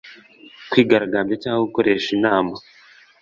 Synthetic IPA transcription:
kwiːɡaɾaɡaːmbɟocaːŋouko̞ɾe̞ːʃinaːma

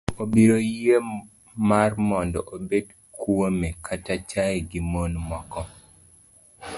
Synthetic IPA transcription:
obiɾoje | marmɔndɔ̰ʔobed | kwomekʰatat͡ʃaeɡimonmɔkɔ

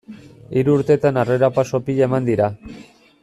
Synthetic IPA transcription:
iɾuːɾt̪e̞t̪anareɾapaso̞piʎe̞mand̪iɾa

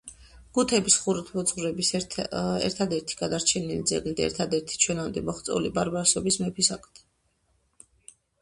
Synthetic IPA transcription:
ɡ̥ut̪ʰɛbisχuɾut̪ʰmɔd̪zʁɾɛbis | ɛ̰ɾt̪ʰad̪ɛɾt̪ʰi̥ɡ̥ad̪aɾt͡ʃʰɛnilid̪zɛ̰ɡlid̪aɛ̰ɾt̪ʰad̪ɛɾt̪ʰi̥t͡ʃʰwɛnamd̪ɛmɔχt̪sʼɔ̰libaɾbaɾsɔbismɛpʰisakʰʼt̪ʰɛ̥

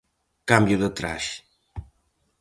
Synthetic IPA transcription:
kambjuðət̪ɾa̰ʃ

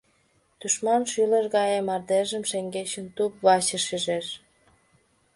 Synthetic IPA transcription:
d̪̥uʃmɑnʃyləʒɣɑjemɑrd̪eʒəmʃeŋɡet͡ɕə̆nt̪upβɑt͡ɕəʃiʒeʃ

